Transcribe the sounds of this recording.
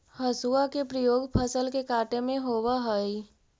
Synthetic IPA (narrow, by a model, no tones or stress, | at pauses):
hɐsuakepɾəjoːɡpʰəsəlkekaːʈemẽɦoːwaɦəi